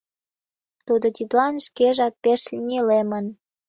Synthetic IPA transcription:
t̪ud̪ot̪ʲit̪lɑnʃkeʒɑt̪̚peʃlʲinʲelemən

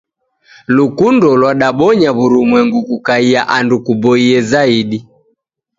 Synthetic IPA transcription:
lukundɔlwaɗaɓɔɲaβuɾumwɛŋɡukukaiaʔandukubɔiɛzaiɗi

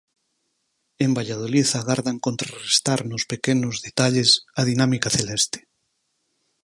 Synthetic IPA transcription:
embaʎað̞oliθaɣaɾðaŋkont̪ɾarest̪aɾnʊspekenʊzðet̪aʎesað̞inamikaθelɛst̪e̥

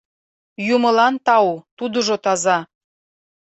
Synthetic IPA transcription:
juməlɑnt̪ɑut̪ud̪uʒot̪ɑzɑ

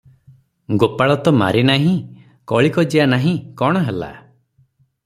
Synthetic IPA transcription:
ɡopaɭɔt̪ɔma̰ɾinaɦĩ | kɔɭikɔd͡ʒianaɦĩkɔɽ̃ɔɦela̰

